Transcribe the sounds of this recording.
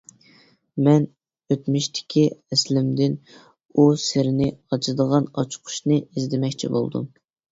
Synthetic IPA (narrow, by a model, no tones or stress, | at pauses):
mɛn | øt̪myʃt̪ʰɪ̥kʲʰiɛslɪmd̪ɪn | usɪɾɪnɪɑt͡ʃʰɨd̪əʁɑnɑt͡ʃʰqʰʊ̥ʃnɨizd̪ɪmɛkʲt͡ʃʰḭbo̰lˠd̪ṵm